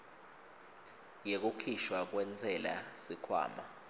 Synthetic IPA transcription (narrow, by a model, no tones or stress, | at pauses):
jek̬ʼukʰiʃwak̬wɛnd͡zʰʱʼɛla̰sikʰwa̰ːma